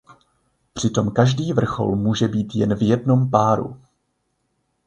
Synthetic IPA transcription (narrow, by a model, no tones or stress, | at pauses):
pr̝̥ɪt̪o̞mkaʒdiːvr̩xo̞̰lmuːʒɛbiːt̪jɛnvjɛdno̞mpaːɾṵ